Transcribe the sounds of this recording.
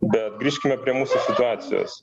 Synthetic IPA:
bʲɛt̪̚ɡɾʲiːʃʲkʲɪmʲɛpʲɾʲiɛmuːsʊsʲɪt̪ʊɑːt̪sʲɪ̰jo̰ːs

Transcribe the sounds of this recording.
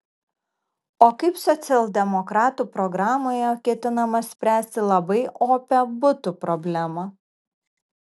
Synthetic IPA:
oːkɐɪpsɔt̪sʲɛlˠd̪ʲɛmɔkɾɑːt̪uːpɾɔɡɾɑːmoːjɛkʲɛt̪ʲɪnɐmɐsʲpʲɾʲæːsʲt̪ʲɪlˠɐbɐɪʔoːpʲɛbʊt̪upɾɔbʲlʲæmɐ

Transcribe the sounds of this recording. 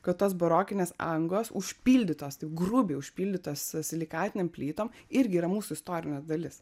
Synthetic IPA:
kɐt̪toːsboɾoːkʲɪnʲeːsɐ̰ŋɡlˠoːsʊʃʲpʲiːlʲd̪ʲɪt̪oːst̪ɐɪpɡrʊbʲeːʊʃʲpʲiːlʲd̪ʲɪt̪oːssʲɪlʲɪkɑːt̪ʲɪnʲeːmpʲlʲiːt̪oːmɪɾʲɡʲɪiːɾɐmuːsʊɪst̪oːɾʲɪnʲeːsd̪ɐlʲɪs

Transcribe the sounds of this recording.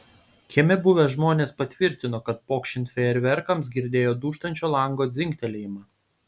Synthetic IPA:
kʲɛmʲɛbʊʋʲɛʒmoːnʲeːspɐt̪ʲʋʲɪɾʲt̪ʲɪnoːkɐt̪̚poːkʃʲɪnt̪ʲfʲɛɛɾʲʋʲɛɾkɐms̬ɡʲɪɾʲd̪ʲeːjoːd̪uːʃt̪ɐnʲt͡ʃʲoːlˠɐŋɡoːd̪zʲɪŋʲkʲt̪ʲɛlʲejɪmɑː

